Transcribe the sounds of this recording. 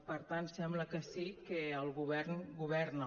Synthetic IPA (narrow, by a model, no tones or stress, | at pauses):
pəɾt̪ansɛmbləkəsikəəlˠɣuβɛrnɡuβɛɾnə